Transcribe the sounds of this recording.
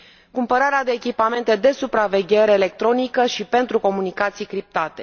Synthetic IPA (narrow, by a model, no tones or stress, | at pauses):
kumpəɾaɾead̪e̞ːkʲipame̞nt̪e̞d̪e̞supɾave̞ɡʲe̞ɾeːle̞k̚t̪ɾo̞nikəʃipe̞nt̪ɾuko̞munikat̪sijkɾip̚t̪at̪e̞̥